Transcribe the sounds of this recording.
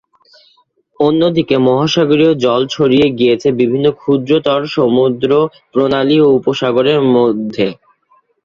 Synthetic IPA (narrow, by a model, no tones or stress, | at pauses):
onːod̪ikemɔɦaʃaɡoɾiod͡ʑɔlt͡ɕʰoɾieɡijet͡ɕʰebibʱinːokʰud̪ɾot̪ɔɾʃomud̪ɾo | pɾonalioupoʃaɡoɾeɾmod̪ʱːe